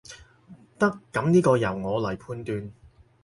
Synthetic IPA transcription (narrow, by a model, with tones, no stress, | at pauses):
t̪ɐ˥kːɐ˨˥mniː˥kɔː˧jɐ˨˩wŋɔː˨˧lɐ˨˩jpʰuː˧nt̪yː˧n